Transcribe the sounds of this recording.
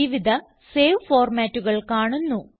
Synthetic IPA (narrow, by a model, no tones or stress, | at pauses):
iʋid̪ʱɐ | seːʋfoːrmaːtːuɣɐɭkaːɳunːu